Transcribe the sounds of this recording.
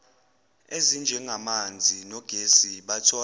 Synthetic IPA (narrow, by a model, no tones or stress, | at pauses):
ezind͡ʒʱɛŋɡʱamand͡zʱinɔɡ̥ʱesiɓatʰɔ